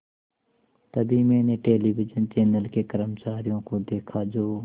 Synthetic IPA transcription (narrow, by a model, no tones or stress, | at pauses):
t̪əbiːmɛ̃ːneːʈeːliːʋɪd͡ʒənt͡ʃɛːnəlkeːkəɾəmt͡ʃaːɾɪjõːkõd̪eːkʰaːd͡ʒoː